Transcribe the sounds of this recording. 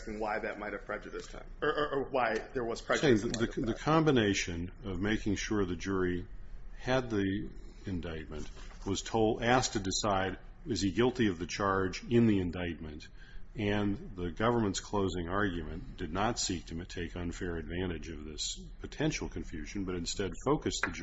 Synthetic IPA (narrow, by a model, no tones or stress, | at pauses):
sɪ̃ŋwaɪðɨt̚maɪt̚ɨv̥pʰɹ̥ɛd͡ʒɨɾɨstʰã̰ | əwaɪðə˞wʌz̥pʰɹ̥ɛɪ̃ððɨðɨkʰɑ̃mbɨneɪʃɨ̃nʌvmeɪkɪ̃ŋʃʊɹðɨd͡ʒʊɹi | ɨd̪̚ði | ɨ̃ndaɪt̚mɨ̃nʔwʌz̥tʰoʊlˠdæs̚tʰɨdɨsaɪd̚ | ʌz̥iɡɪlˠtiʌvðɨt͡ʃʰɑɹd͡ʒɪ̃nðiɨ̃ndaɪt̚mɨ̃nt | ɨ̃nðɨɡʌvə˞mə̃ntskʰl̥oʊzɪ̃ŋɑɹɡjɨmɨ̃nd̥ɨdⁿnətsik̚tʰɨmɨtʰeɪkʌ̃nfɛɹɨdvæ̃ɾ̃ɨd͡ʒʌvðɪs | pʰɨtʰɛ̃nʃl̩ˠkʰɨ̃ɱfjʉʒɨ̃n̩bʌɾɨ̃nstɛd̥foʊkɨsðɨ